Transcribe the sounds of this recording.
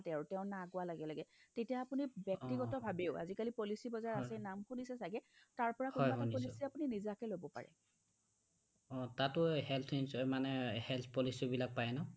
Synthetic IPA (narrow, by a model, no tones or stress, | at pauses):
tɛaɹutɛʊ̃naɡʊwalaɡɛlaɡɛtetijaːpunibɛk̚tiɡɔtɔbʱabeʊa̰zikalipolisibɔzaɹasɛnamkunisɛsaɡɛtaɹpɔɹakɔɔpolisiapuninizakɛlobɔpa̰ɹɛ̰ | ɔ̃tatʊhɛlt̪ʰinsmanɛhɛlt̪ʰpɔlisibilak̚pajnɔ